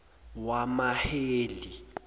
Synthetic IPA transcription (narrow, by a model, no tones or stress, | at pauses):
wamaheːli